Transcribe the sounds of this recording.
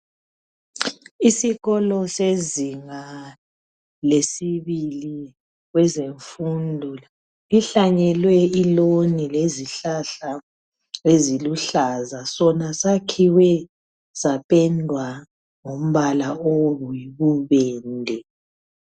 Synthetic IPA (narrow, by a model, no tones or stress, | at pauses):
isiɣɔlɔseziŋa | lesiβili | ɣwɛzeɱfundʱula | iɬaɲɛlwɛilonileziɬaɬa | eziluɬazasɔnasakʰiwɛ | zapʼɛndʱwa | ŋom̩βalaoβuiβuβɛːndʱɛ